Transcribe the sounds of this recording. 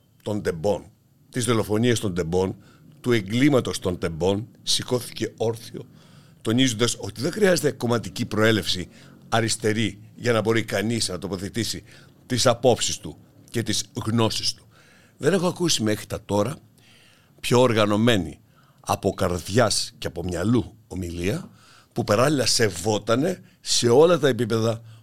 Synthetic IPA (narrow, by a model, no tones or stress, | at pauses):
t̪o̞nd̪e̞bo̞n | t̪izðo̞lo̞fo̞niɐst̪o̞nd̪e̞mbo̞n | t̪ue̞ŋɡlimɐt̪o̞st̪o̞nd̪e̞mbo̞nsiko̞θi̥ce̞o̞ɾθio̞̰ | t̪o̞nizond̪ɐso̞t̪iðexɾiɐze̞t̪eko̞mɐt̪icipɾo̞e̞le̞fsi | ɐɾist̪e̞ɾiʝɐnɐbo̞ɾikɐnisnɐt̪o̞po̞θe̞t̪isi | t̪isɐpo̞psist̪u | ce̞t̪izɣno̞si̥st̪u̥ | ðe̞ne̞xo̞ɐkusime̞xɾi̥t̪ɐt̪o̞ɾɐ | pço̞ːɾɣɐno̞me̞nḭ | ɐ̰po̞kɐɾðʝɐsceɐpo̞mɲɐlu | o̞miliɐ | pupɐɾɐlilɐse̞vo̞t̪ɐne̞ | se̞o̞lɐt̪ɐe̞pipe̞ðɐ